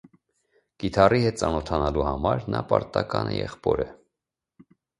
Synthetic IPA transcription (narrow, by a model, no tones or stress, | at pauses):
kit̪ʰɑrihɛt̪̚t͡sɑnɔt̪ʰɑnɑluhɑmɑɾnɑpɑɾt̪ɑkɑnʔɛjɛχpɔɾə